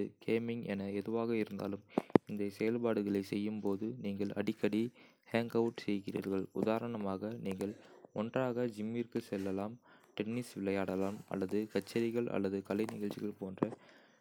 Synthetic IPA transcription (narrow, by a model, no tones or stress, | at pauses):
ɯkeːmɪŋɛnɐɛðɯʋaːɣɐɪɾɯnd̪a̰ːlɯmɪnd̪ɐsɛjɐlpaːɽɯɣɐɭɐɪsɛjːɯmpoːðɯniːŋɡɐɭɐ̰ɽɪkːɐɽi | haːŋɡɐʈsɛjɣɪrḭːɾɣɐɭʊ̰ðaːɾɐɳɐmaːɣɐniːŋɡɐɭɔndraːɣɐd͡ʒɪmːirkɯsɛlːɐlaːmʈɛnːɪsʋɪɭːɐjaːɽɐlaːmɐ̰lːɐðɯkɐt͡ʃːɐɾɪɣɐɭʔɐ̰lːɐðɯkɐlɐɪnɪɣɐɭt͡ʃːɪɣɐɭpoːndrɐ